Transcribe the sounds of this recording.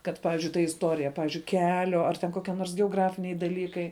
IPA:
kɐt ˈpɑːʋʲɪzʲd͡ʒʲʊɪ tɐ ɪsˈtoːrʲɪjɛ ˈpɑːʋʲiːzʲd͡ʒʲʊɪ ˈkʲæːlʲoː ɐr tʲɛn ˈkoːkʲiɛ noːrs ɡʲɛoːˈɡrɑːfʲɪnʲɛɪ dɐˈlʲiːkɐɪ

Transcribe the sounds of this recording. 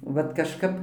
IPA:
ˈʋɐt kɐʃˈkɐp

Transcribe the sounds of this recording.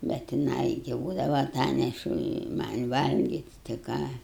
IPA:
bʲɛt jɪˈnɐɪ ɡʲɪ ˈbuːdɐʋɐ ɐˈtɑːnʲɛʃʊ ɪ ˈmɐnʲ ˈʋɐlʲɡʲɪtʲ tɐɪ ˈkɑː

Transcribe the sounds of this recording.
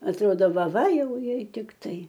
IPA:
ɐtˈroːdoː ˈʋɐ ˈʋɐ ˈjɛʊ ˈjɛɪ tʲɪkˈtɐɪ

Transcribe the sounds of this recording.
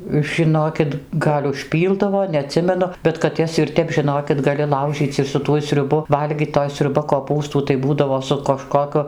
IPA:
ʒʲɪˈnoːkʲɪt ˈɡɐlʲ ʊʃʲˈpʲiːlˠdɐʋoː nʲɛɐˈtʲsʲɪmʲɛnʊ bʲɛt kɐt ˈjɛs ɪr ˈtʲɛp ʒʲɪˈnoːkʲɪt ɡɐˈlʲɪ ˈlˠɐʊʒʲiːt͡sʲ ɪr sʊ ˈtuɔj sʲrʲʊˈbʊ ˈʋɐlʲɡʲiːt toːj sʲrʲʊˈbɐ koːˈpuːstuː tɐɪ ˈbuːdɐʋoː sʊ kɐʃkoːˈkʊ

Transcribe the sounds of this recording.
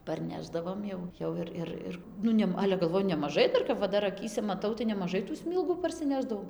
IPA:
pɐrʲˈnʲæːʒdɐʋoːm jɛʊ ˈjɛʊ ɪr ˈɪr ˈɪr ˈnʊ nʲɛm ˈɑːlʲɛ ɡɐlˠˈʋoːjʊ nʲɛmɐˈʒɐɪ ˈdɐr kɐp ʋɐ ˈdɐr ɐˈkʲiːsʲɛ mɐˈtɐʊ tɐɪ nʲɛmɐˈʒɐɪ tuː ˈsʲmʲiːlˠɡuː pɐrʲsʲɪˈnʲæːʒdɐʋɐʊ

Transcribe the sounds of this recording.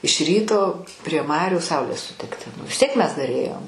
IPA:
ɪʃ ˈrʲiːtoː pʲrʲiɛ ˈmɑːrʲuː ˈsɐʊlʲeːs sʊˈtʲɪktʲɪ nʊ ʋʲɪs ˈtʲiɛk ˈmʲɛs dɐr ˈeːjoːm

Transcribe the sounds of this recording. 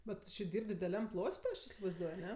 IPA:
bʲɛt ˈtʊ t͡ʃʲɪ ˈdʲiːrʲpʲ dʲɪdʲɛˈlʲɛm ˈplˠoːtʲ tʲɪ ˈɐʃ ɪsʲɪʋɐɪzˈduɔj ɐˈnʲɛ

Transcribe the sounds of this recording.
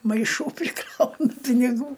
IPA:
mɐɪˈʃuː pʲrʲɪˈkrɐʊnɐ pʲɪnʲɪˈɡuː

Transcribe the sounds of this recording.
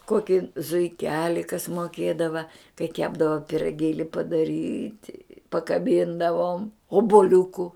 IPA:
ˈkoːkʲɪ zʊɪˈkʲæːlʲɪ kɐs moːˈkʲeːdɐʋɐ kɐɪ ˈkʲæːbdɐʋɐ pʲɪrɐˈɡʲeːlʲɪ pɐdɐˈrʲiːtʲɪ pɐkɐˈbʲiːndɐʋoːm oːbʊˈlʲʊkʊ

